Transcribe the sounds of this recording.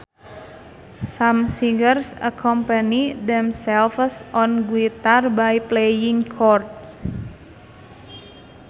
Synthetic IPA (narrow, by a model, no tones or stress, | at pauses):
samsiŋɡərsa̰kʰɔmpənid̪ɛmsɛlfsɔnɡuit̪arbajplejiŋkʰɔrts